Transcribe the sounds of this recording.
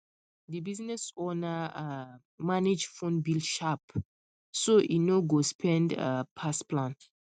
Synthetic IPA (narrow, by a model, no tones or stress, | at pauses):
dibiznɛsonaa | maned͡ʒfõnbilʃap | soʔinoɡospʰɛ̃nda̰pʰasplãn